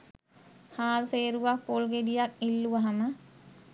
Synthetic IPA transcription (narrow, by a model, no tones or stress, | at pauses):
haːlseːɾuʋak̚polɡed̪ijak̚ilːuʋəɦamə